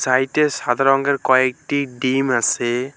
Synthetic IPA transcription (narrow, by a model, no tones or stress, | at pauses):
sajtɛsad̪ʱaɾɔŋɡɛɹkɔɛk̚tiɖimasɛ